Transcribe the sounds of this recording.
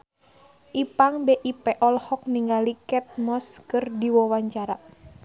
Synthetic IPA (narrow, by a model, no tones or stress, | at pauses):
ʔipaŋbeʔipɛʔɔlhɔk̚niŋɡalikɛt̪̚mɔskɨrdiwɔwaɲt͡ʃaɾa